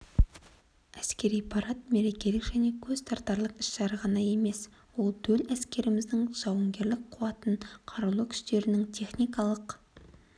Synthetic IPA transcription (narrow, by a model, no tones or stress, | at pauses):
æskʲe̞ɾijpʰɑɾɑt̪̚me̞ɾe̞kʲe̞lɪkʒ̥æne̞kʲʰɵzt̪ʰɑɾt̪ːɑɾlˠəqɪ̥ʃtɑɾəʁɑnɑje̞me̞s | wo̞lˠt̪ʰɵlæskʲe̞ɾɪmɪzd̪ɪŋʒ̥ɑwəŋɡʲe̞ɾlɪk̚qʰuɑt̪ənqʰɑɾlˠukʲʰʏ̥st̪e̞ɾɪnɪŋt̪ʲʰe̞χnijkɑlˠəq